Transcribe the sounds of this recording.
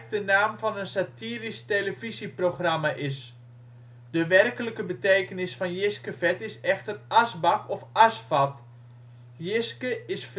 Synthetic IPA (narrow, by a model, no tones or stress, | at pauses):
k̚dənaːmfɑnənsatiːristeləfisiproxramaʔɪs | dəʋɛrkələkəbəteːkənɪsfɑnjɪskəfɛtɪsɛxtərasbɑkɔfasfat | jɪskəɪsf